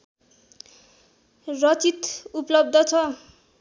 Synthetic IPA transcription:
rʌt͡sit̪uplʌb̚d̪ʱʌt͡sʰʌ

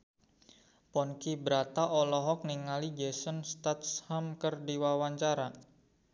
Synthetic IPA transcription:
pɔnkibəɾat̪aʔɔlɔɦɔk̚niŋalid͡ʒesənst̪at̪shamkərdiwawaɲt͡ʃaɾa

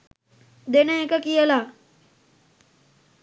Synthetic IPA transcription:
d̪eneekakijəla

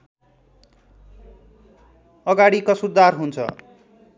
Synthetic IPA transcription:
ʌɡaɽikʌsud̪arɦunt͡sʰʌ̰

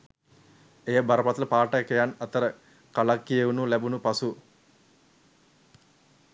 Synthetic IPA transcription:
ejəbaɾəpat̪ələpaːʈəkejanat̪əɾə | kalakːijeunulæbunupasu

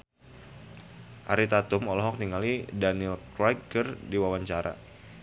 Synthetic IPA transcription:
ʔaɾit̪at̪ʊmɔlɔɦɔk̚niŋalidaniilkɾakərdiwawaɲt͡ʃaɾʔa̰

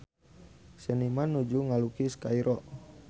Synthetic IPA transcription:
sɛnimanud͡ʒuŋalukiskaiɾʔɔʔ

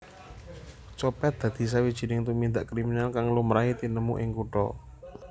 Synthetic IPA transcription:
t͡ʃɔpɛt̪̚d̪̥ä̤d̪̥i̤s̬awid̥ʒ̥i̤nɪŋt̪umind̪aʔkɾiminalkaŋlumɾait̪inəmṵʔɪŋkuʈɔ̰

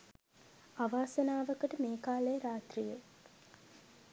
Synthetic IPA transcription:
aʋaːsənaːʋəkəʈəmeːkaːlejəɾaːt̪rijə

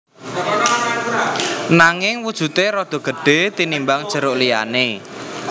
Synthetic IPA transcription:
naŋɪŋwud̥ʒ̥ṳt̪eɾɔd̪̥o̤ɡ̥əɖ̥e̤t̪inimbaŋd̥ʒ̥ə̤ɾʊʔlija̰ne

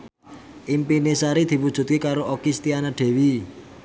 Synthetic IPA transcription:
ʔimpinesaɾid̪̥i̤wud̥ʒ̥ṳt̪̚kikaɾoʔokist̪ianaɖ̥e̤wi

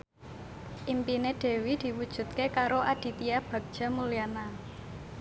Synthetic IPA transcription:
ʔimpineɖ̥e̤wid̪̥i̤wud̥ʒ̥ṳt̪̚kekaɾoʔad̪̥i̤t̪iab̥ä̤k̚d̥ʒ̥a̤muliana

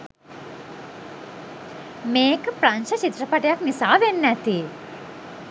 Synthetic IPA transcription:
meːkpɾanʃɐt͡ʃit̪ɾɐpɐʈejaknisaːʋenːæt̪i

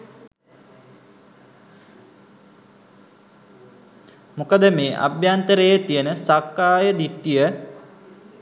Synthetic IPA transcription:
mukəd̪əmeːʔa̰bjant̪əɾejət̪ijənəsakːaːjəd̪iʈːijə

